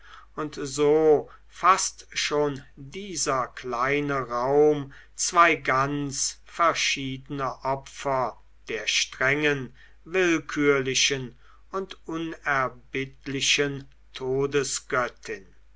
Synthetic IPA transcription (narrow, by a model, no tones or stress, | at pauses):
ʔʊntzoː | fastʃoːndiːzɐklaɪnəʁaʊm | t͡sv̥aɪɡant͡sfɛɐʃiːdənəʔɔpfɐ | d̥eːɐʃtʁ̥ɛŋən | vɪlkʰyːɐlɪʃən | ʊntʔʊnɛɐbɪtlɪʃən | tʰoːdəsɡ̥œtʰɪn